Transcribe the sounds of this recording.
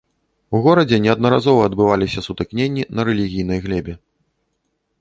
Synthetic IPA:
uɣɔɾɐd͡zʲɛnʲɛɐd̪nɐɾazɔvɐːd̪bɨvalʲisʲɐsut̪ɨknʲenʲːinɐɾɛlʲiɣʲijnɐjɣlʲɛbʲɛ

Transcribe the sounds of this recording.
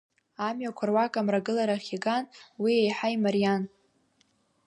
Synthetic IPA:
amɥakʷʰarwakʼamraɡɨlaɾaχʲiɡanwiejħaimaɾijan

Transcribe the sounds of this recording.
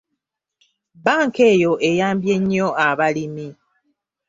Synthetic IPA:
baŋ̩kejoʔejambjeɲiɔaβalimi

